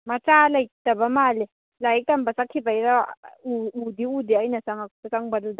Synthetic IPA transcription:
mat͡ʃʼalaid̥abamaːlɛ | laitʼambʱasakʰibaiɾauud̪iud̪iainasaŋakuasaŋbalud̪a

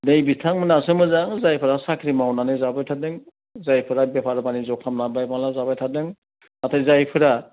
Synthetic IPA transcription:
dejbitʰaŋmɯnasɯmɯzaŋzajpʰɯɾasakʰɾimawnanɯzabajtʰadɯŋ | zajpʰɯɾabepʰaɾbanizɔkʰamnabajbaŋlazabajtʰadɯŋ | atʰajzajpʰɯɾa

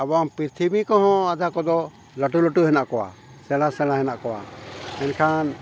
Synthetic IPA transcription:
abaŋpiɾt̪ʰimikɔɦɔ̃ad̪ʱakɔd̪ɔ | ləʈuləʈuɦɛnaʔkɔwa̰ | sɛlasɛlaɦɛnaʔkɔwa̰ɛnkʰan

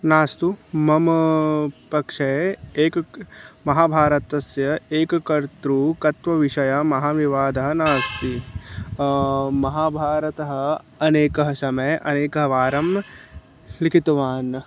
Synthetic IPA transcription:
naːst̪umɐmɐpɐkʂeeːkmɐɦaːbʱaːɾɐt̪ɐsjɐeːkɐkɐɾt̪ɾukɐt̪ʋɐʋiʂɐjamɐɦaːʋiʋaːd̪ɐɦɐnaːst̪i | mɐɦaːbʱaːɾɐt̪ɐɦɐ̆ | ɐneːkɐɦɐsɐmɐjʔɐ̰neːkɐɦɐʋaːɾɐm | likʰit̪ɐʋaːn

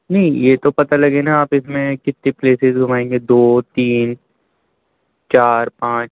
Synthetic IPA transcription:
nɐɦĩjeːt̪opɐt̪alɐɡeːnaaːpɪsmẽkɪt̪nĩpleːsɪzɡʱʊmaːẽːŋɡed̪oːt̪iːn | t͡ʃaːɾpãːt͡ʃ

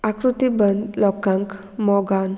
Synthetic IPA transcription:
akɾut̪ibənlɔkaŋk | mɔɡan

